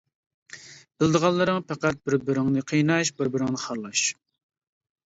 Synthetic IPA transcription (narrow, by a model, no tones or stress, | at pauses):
b̥ɪld̪əʁɑlˠːɨɾɨŋpʰæqæt̪̚bɪɾbɪɾɪŋnɨqʰijnɑʃbɪɾbɪɾɪŋnɨχɑɾlˠɑʃ